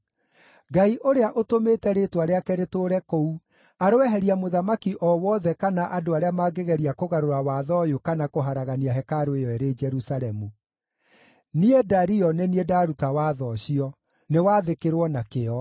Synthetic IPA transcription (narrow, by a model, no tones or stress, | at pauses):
ɡaiʔoɾeaʔotomeːtɛɾetwaɾeakɛɾetoːɾɛkɔu | aɾowɛɦɛɾiamoðamakiʔɔwɔðɛkanaʔadoaɾeamaɡeɣɛɾiakoɣaɾoɾawaðɔjokanakoɦaɾaɣaniaɦɛkaɾoejɔeɾed͡ʒɛɾusaɾɛmu | niɛdaɾiɔneniedaɾutawaːðɔɕiɔ | newaːðekeɾwɔnakeɔ